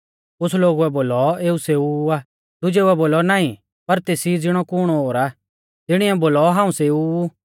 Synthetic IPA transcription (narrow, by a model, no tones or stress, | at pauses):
ʊsloːɡuɛboːlɔeːuseːua | d̪ʊd͡ʒeːuɛboːlɔnaːĩ | pɐɾt̪eːsid͡zɪɽ̃ɔkʊɽ̃ɔɦoːɾa | t̪ɪɽ̃iɛboːlɔɦãːũseːu